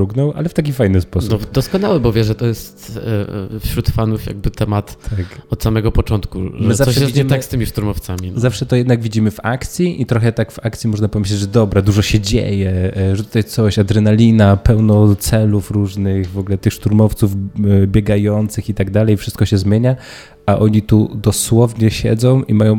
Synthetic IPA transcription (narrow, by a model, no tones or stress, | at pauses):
uɡnɔwʔa̰lɛft̪akʲifajnɘspɔsuɔd̪ɔskɔnawɛbɔvʲjɛʐɛt̪ɔjɛst̪ | fɕɾut̪fanufja̰ɡ̚bɘt̪ɛmat̪t̪ʰakɔt̪samɛɡɔpɔt͡ʂɔnt̪kuʐmɨzaʂɔɛɛsvid͡ʑiɛmt̪akkst̪ɘmʲiʂt̪uɾmɔft̪sammʲizafʂɛt̪ɔjɛd̪naɡvʲid͡ʑimɘva̰kt̪sʲjiʔit̪ɾɔxɛt̪akvakt̪sʲimɔʐnapɔvʲeɕ̬lʲɛd͡ʑʐɛd̪ɔbɾad̪uʐɔɕɛd͡ʑḛjɛʐɛt̪u̥t̪ajt̪sɔɕad̪ɾɛnalʲinapɛwnɔt̪sɛlufɾuʐnɘxvɔɡlɛt̪ɘxʂt̪uɾmɔft̪suvbʲjeɡajɔnt̪sɘxit̪aɡ̚d̪alɛjfʂɘst̪̚kɔɕɛzmʲjeɲa | aʔɔɲit̪ud̪ɔswɔvɲɛɕɛ̰d̪zɔ̃w̃ʔimajɔ̃w̃